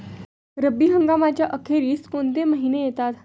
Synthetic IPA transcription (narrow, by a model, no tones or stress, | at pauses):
ɾəbiːɦəŋɡamat͡ɕjaʔəkʰeɾiːskont̪̬eməɦinejet̪at̪